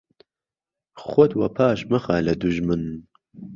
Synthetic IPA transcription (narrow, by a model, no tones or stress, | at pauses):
χʷɔd̪wɐpʰaːʃmɐχaːlɐd̪uʒmɨn